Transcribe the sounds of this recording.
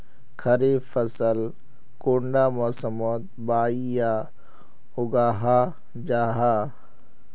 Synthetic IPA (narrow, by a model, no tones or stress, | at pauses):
kʰəɾefʰəsəl | koːɳɖaːmɔːsəmoːt̪̚baːija | ʊɡaːɦaː | d͡ʒaːɦaː